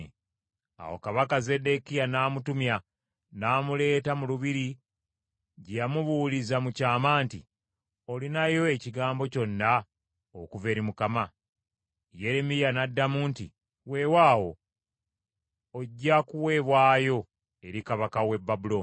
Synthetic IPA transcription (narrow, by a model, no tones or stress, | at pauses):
a̰wo̞̰kaβakaze̞de̞kijanaːmutumja | naːmule̞ːtamuluβiɾi | ɟjamuβulizamucaːmaːnti | olinajo̞e̞ciɡaːmbo̞co̞nːa | okuve̞ːɾimukama | je̞ɾe̞mijanadːamuːnti | we̞waːwo̞̰ | ɟːakuwe̞ːβwaːjo̞ | e̞ɾikaβakawe̞bːabulo̞n